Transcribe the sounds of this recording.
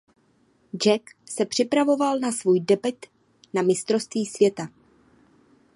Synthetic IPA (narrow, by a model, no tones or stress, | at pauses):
d͡ʒɛksɛpr̝̥ɪpɾavo̞valnasvuːjdɛbɪt̪ | namɪst̪ɾo̞st̪viːsvjɛt̪a